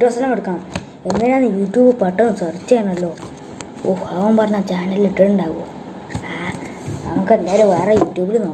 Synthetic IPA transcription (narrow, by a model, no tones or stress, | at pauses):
ʈːɐsɐlɐmeɽukːaɳɐ | e̞nːɐneanːɨjuːʈːjuːbɨpɐʈːɐmsɐrt͡ɕːaːɳɐlːo̞ː | oːhaʋɐmpɐrɐɲːat͡ɕaːnɐliliʈːeʈːuɳɖaːʋuɣɐ | a | nɐmukːɨend̪aːjiɾuʋeːrejuːʈjuːbilnoː